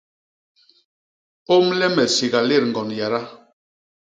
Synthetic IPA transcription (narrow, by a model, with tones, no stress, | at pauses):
o˦mlɛ˦mɛ˨si˨ɣa˨le˦˨ɾŋ˨ɡɔ˨nja˨ɾa˦